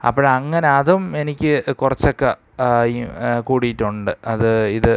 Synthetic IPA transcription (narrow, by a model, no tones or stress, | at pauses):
ɐ̰pːoːɭɐŋːɐneɐðume̞nikʲːɨkurɐt͡ɕːo̞kːe | kuːɽijʈːuɳɖɨɐðɨiðɨ